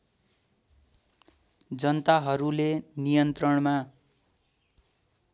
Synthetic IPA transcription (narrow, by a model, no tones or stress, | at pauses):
d͡zʌnt̪aɦʌɾulenijʌnt̪rʌɽma